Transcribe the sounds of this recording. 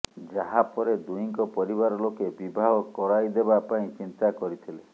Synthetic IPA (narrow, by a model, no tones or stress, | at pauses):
d͡ʒaɦapɔɾed̪ujiŋkɔpɔɾiβaɾɔlokebibʱaɦɔkɔɾajd̪ebapaĩt͡ʃint̪akɔɾit̪ʰile